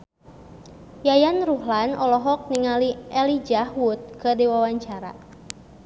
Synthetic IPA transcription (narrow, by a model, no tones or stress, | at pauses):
jajanruhlanɔlɔɦɔk̚niŋaliɛlid͡ʒahwut̪̚kədiwawaɲt͡ʃaɾa̰